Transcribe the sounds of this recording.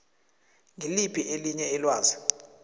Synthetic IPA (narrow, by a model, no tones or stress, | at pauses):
ŋʱilipʰiʔeliɲɛɛlwaːzi